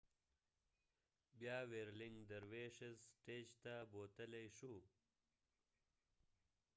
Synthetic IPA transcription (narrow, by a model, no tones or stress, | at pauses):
bjɑːweːɾlɪŋɡd̪əɾweːʂezsʈeːd͡ʒt̪aboːt̪əlejʂu